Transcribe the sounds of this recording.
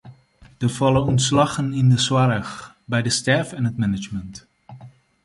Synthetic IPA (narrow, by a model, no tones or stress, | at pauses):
d̥əfɑləɔntslɑχənɪndəswaɾəx | bɛjdəstɛɹfɛnɦətmɛnɪt͡ʃmənt